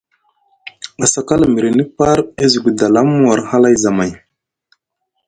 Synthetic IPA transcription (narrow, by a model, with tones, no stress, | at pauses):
a˨sa˨ka˦lmi˨ɾe˨ni˦pa˦ɾe˦zi˨ɡu˨da˨la˦m˦a˨ɾha˦la˦jza˨ma˨j